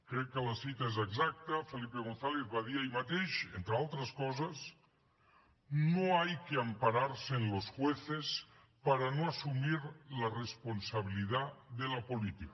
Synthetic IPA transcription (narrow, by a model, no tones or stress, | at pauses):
kɾekːelasit̪aezeɡzak̚t̪afelipeɣ̞onθaleθβaðiaimat̪eʃent̪ɾealˠt̪ɾaskɔzas | nnoajkeampaɾaɾsenlosxweθes | paɾanoasumiɾlaresponsaβ̞iliðaðelapolit̪ik